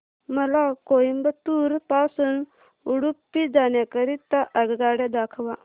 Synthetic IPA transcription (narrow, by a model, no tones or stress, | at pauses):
məlakoimbət̪uɾpasuːn | uɽupːid͡zaɳjakəɾit̪ːaʔəɡɡaɽjad̪akʰʋa